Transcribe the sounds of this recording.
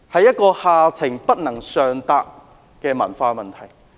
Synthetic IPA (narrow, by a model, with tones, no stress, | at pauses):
hɐ˨jɐ˥t̚kɔː˧haː˨˧t͡sʰɪ˨˩ŋpɐ˥t̚nɐ˨˩ŋsœː˨ŋt̪aː˧p̚ | kɛː˧mɐ˨˩nfaː˧mɐ˨nt̪ʰɐ˨˩j